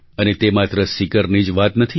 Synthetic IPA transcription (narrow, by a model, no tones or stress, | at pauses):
ənet̪emat̪ɾəsikəɾnid͡ʒʋat̪nət̪ʰi